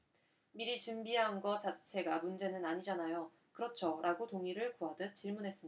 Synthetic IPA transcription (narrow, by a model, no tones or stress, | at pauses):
miɾit͡ɕumbiɦanɡʌt͡ɕat͡ɕʰe̞ɡamund͡ʑe̞nɯnaɲid͡ʑanajo | kɯɾʌt͡ɕʰʌɾʔaɡotoŋiɾɯɭkuɦadɯt͡ɕ͈iɭmunɦe̞s͈ɯmia